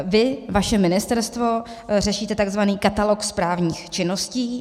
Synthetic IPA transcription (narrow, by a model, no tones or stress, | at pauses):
vɪvaʃɛmɪnɪst̪ɛɾst̪vo̞ | rɛʃiːt̪ɛt̪aɡzvaniːkat̪alo̞kspɾaːvɲiːxt͡ʃɪno̞sciː